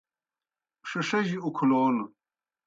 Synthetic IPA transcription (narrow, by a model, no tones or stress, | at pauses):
ʂɐʂɐʑiukʰuloːn